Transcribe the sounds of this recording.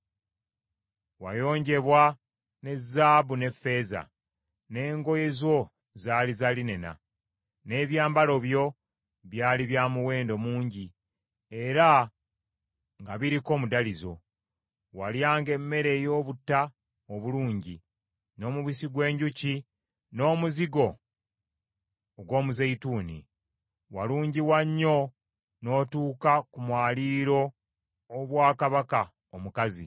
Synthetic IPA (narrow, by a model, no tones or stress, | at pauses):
wajo̞ːɲɟe̞βwa | ne̞zːaːβune̞fːe̞ːza̰ | ne̞ːŋɡo̞je̞zo̞ | zaːlizaline̞na̰ | ne̞βjaːmbalo̞βjo̞ | βjaːliβjaːmuwe̞ːndo̞muːɲɟi | e̞ɾa | ŋɡaβiɾiko̞ːmudalizo̞̰ | waljaːŋɡe̞mːe̞ɾe̞jo̞ːβutːa | oβuluːɲɟi | no̞ːmuβisiɡwe̞ːɲɟuci | no̞ːmuziɡo̞ | ɡwo̞ːmuzeituːnḭ | waluːɲɟiwaɲːo̞ | no̞ːtuːkakumwaːliːɾo̞ː | βwaːkaβaka | omukazḭ